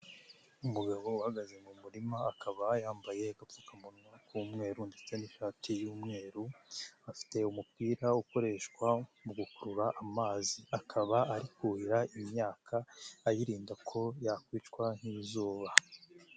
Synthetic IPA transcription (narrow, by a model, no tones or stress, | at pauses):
umuɡaβo̞uhaɡaze̞mumuɾimaːkʰaβajaːmbaje̞kapukamunukʰumŋe̞ːɾunde̞t͡se̞niʃaːtʰijuːmŋe̞ːɾuafi̥te̞umup̚kiːɾauko̞ɾe̞ːʃkwamuɡukuɾuɾaʔamaːziakʰaβaaɾikuiɾaimɲaːkʰaːjiɾiːndakʰo̞jakwiːt͡ʃkwan̥hiβizuːβa